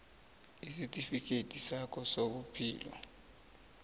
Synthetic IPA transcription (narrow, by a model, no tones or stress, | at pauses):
isitʼifik̬ʰʼetʰʼisakʰɔsok̬upʰḭːlɔ̰